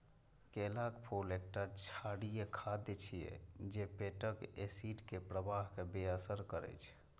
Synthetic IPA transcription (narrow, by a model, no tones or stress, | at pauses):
kelakpʰolek̚ʈat͡ʃʰaɽijekʰad̪et͡ʃʰijḛd͡ʒepeʈəkesiʈkepɾəbaɦkebeəsəɾkəɾɛ̰t͡ʃʰ